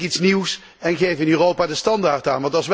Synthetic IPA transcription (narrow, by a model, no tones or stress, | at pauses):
itsniws | ɛnχejvəɪnyːrowpaːdəstɑndaːɹtaːnʋɑntɑlˠsʋ